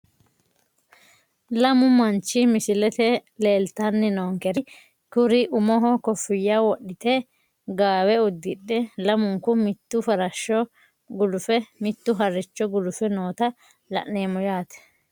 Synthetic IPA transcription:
lɐmʊmɐnt͡ʃːɪmɪsɪlɛt̪ɛle̞ːlt̪ɐnːɛnoːŋkɛɾɪ | kʊɾɪʔʊmɔɦɔkɔfːɪjːawɔɗːɪt̪ɛ | ɡaːwɛʊd̪ːɪɗːɛlɐmʊŋkʊmɪt̪ːʊfɐɾɐʃːɔ | ɡʊlʊfɛmɪt̪ːʊɦɐrɪt͡ʃːɔɡʊlʊfɛnoːt̪ɐ | lɐ̰ʔneːmʊjaːt̪ɛ̥

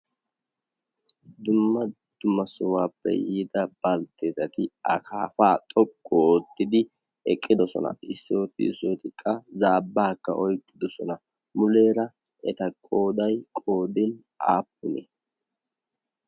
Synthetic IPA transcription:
d̪ʊmːɐ | d̪̥ʊmɐsʊwaːpːɛ̰jiːd̪ɐb̥ɐlt̪ːeːt̪ɐt̪ɪɐ̰kʰaːfaːt̪ʼɔkʼːooːt̪ːɪd̪ɪ | ɛkʼːɪd̪ɔsɔ̰nɐ̰ɪsːo̞ːt̪ɪ̰so̞ːt̪ɪkʼːɐzaːbːaːkːɐ̰ʔɔjkʼːɪd̪ɔsɔnɐ | mʊle̞ːɾɐ | ʔɛt̪ɐkʼo̞ːd̪ɐjkʼo̞ːd̪ɪn | ʔa̰ːpːʊnḛ

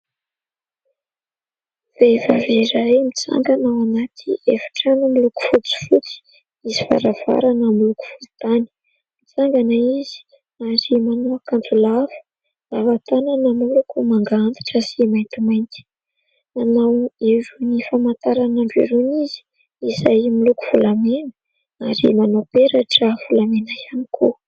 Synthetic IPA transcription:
v̥evavezajmit͡sa̰ŋɡanawanat̪ʰḭefḁʈ͡ʂanumiluku̥fut͡si̥fut͡si̥ | iziva̰ɾav̥a̰ɾanəmiluku̥fui̥t̪ani̥ | mit͡saŋɡanaizi̥ | azimanuakant̪ulavə̥ | lavat̪ananamulukumaŋɡaant̪ḁʈ͡ʂəsimajnt̪imajnt̪i̥ | anaweɾunifamant̪aɾanaɳɖ͡ʐḛɾunizi̥ | izajmiluku̥v̥ulamenə̥ | aɾḭmanopeɾaʈ͡ʂəv̥ulamenajanikʰo

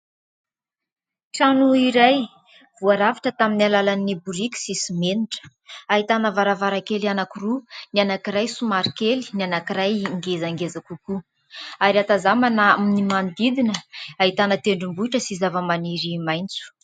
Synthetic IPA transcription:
ʈ͡ʂanuiɾaj | v̥uaɾavaʈ͡ʂət̪aminalalanibuɾikʲu̥sisimeniʈ͡ʂə̥ | aɦit̪anəvaɾavaɾakelianakurunianakiɾajsumaɾikeli̥nianakiɾajŋɡezaŋɡezakuku | aɾiat̪azamanaminimand̪id̪inəaɦit̪anət̪eɳɖ͡ʐumbuiʈ͡ʂəsizavəmaniɾimajnt͡su̥

